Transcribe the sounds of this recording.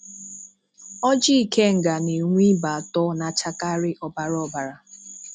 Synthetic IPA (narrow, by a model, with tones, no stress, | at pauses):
ɔ˦d͡ʒi˦i˨kʰe˦ŋ̩˨ɡa˨ne˨ŋʷi˦ba˨a˨tɔ˦na˨t͡ʃa˦ka˦ɾɪ˦ʔɔ˨ba˨ɾɔ˦ba˨ɾa˨